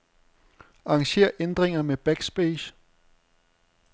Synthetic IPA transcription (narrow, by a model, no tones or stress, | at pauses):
ɑ̈ːŋɕe̝̰ːɐʔend̥ʁeŋɐmeb̥æɡ̥sb̥eɕ